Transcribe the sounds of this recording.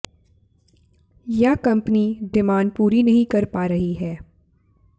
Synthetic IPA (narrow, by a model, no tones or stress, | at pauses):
jakɐ̃mpnid̪ɪmaːnpuːɾinɐɦĩkɐɾpaːɾɐɦiɦɛː